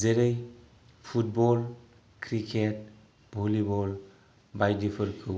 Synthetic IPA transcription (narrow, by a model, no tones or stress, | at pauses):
zeɾəj | pʰut̚bɔl | kʰɾikʰet̚ | bʱolibɔl | bajdipʰəɾkʰɯ